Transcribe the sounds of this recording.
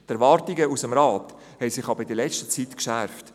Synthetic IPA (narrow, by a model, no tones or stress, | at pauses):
tɛɾʋɑɾtiɡəusəmɾɑːt | hɛɪsɪχɑbəɪdəlɛt͡ʃtə̥t͡siːtkʃæɾft